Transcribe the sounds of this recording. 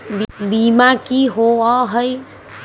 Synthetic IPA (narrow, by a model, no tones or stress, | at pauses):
bbimakiɦoaɦəj